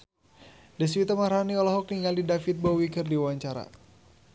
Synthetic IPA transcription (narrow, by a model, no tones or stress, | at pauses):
dɛs̬wit̪əmaɾɦaniɔlɔɦɔk̚niŋaldidafit̪̚bɔwikərdiwaɲt͡ʃaɾa̰